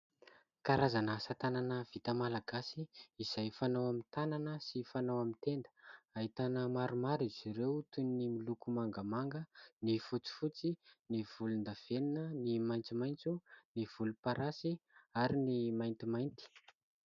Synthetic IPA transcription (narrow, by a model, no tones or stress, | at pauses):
kaɾazanəsat̪ananəv̥it̪əmalaɡasiiz̥ajfanawamint̪ananəsifanawamint̪end̪ə̥aɦit̪anəmaɾumaɾiz̥iɾewt̪unːimilukumaŋɡamaŋɡənifut͡si̥fut͡siniv̥ulund̪av̥eninənimajnt͡simajnt͡suniv̥ulupaɾasiaɾinimajnt̪imajnt̪i̥